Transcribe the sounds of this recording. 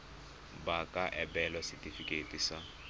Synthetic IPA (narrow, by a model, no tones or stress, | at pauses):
bakʼaʔɛbɛlasɪtʼifikʼetʼisa